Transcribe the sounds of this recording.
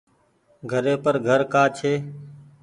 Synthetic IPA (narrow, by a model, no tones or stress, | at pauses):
ɡʱəɾeːpəɾɡʱəɾkaːt͡ʃʰeː